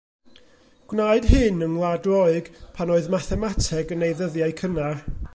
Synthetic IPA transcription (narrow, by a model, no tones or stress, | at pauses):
ɡ̥wnaɨd̥hɨnənlˠadrɔɨɡpʰanoːɨðmaθɛmatʰɛɡənejðəðjajkʰəna